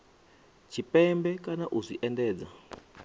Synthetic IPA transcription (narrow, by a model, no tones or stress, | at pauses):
t͡ʃʰipɛmbɛkanaʔuziʔɛndɛːd͡za